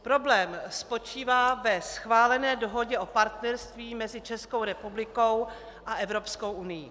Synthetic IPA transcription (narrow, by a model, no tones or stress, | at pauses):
pɾo̞blɛːmspo̞t͡ʃiːvaːvɛsxvaːlɛnɛːdoɦo̞ɟɛʔo̞paɾt̪nɛɾst̪viːmɛzɪt͡ʃɛsko̞wɾɛpublɪko̞w | ʔaʔɛvɾo̞psko̞wʔunɪjḭ